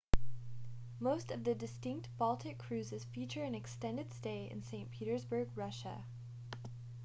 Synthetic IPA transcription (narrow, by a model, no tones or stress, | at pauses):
moʊstʌvðɨdɨstɪ̃ŋk̚t̚b̥ɔlˠtʰɨkʰɹ̥ʉzɨz̥fit͡ʃə˞ɨ̃nɨkstɛ̃ndɨd̥steɪɨ̰̃nsẽɪ̃npʰiɾə˞zbə˞ɡ̚ɹʌʃə̰